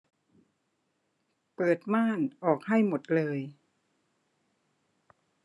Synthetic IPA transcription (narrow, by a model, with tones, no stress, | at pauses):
pɤː˨˩t̪̚maː˥˩nʔɔː˨˩k̚ha˥˩jmo˨˩t̪̚lɤː˧j